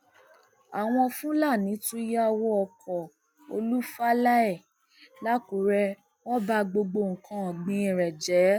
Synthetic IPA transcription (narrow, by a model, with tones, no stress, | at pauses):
a˨w̃ɔ̃˧fũ˦la˦˨nĩ˨˦tũ˦ja˦wɔ˦ɔ˧kʰɔ˨ | o̰˧lu˦fa˦la˦ɛ˦˨ | la˦ko˨˦ɾɛ˧ | wɔ˦ba˧ɡ͡bo˧ɡ͡bo˧˨ŋ̩˨kʰã˧ɔ˨ɡ͡bĩ˧˦ĩ˨ɾɛ˨d͡ʒɛ˨˦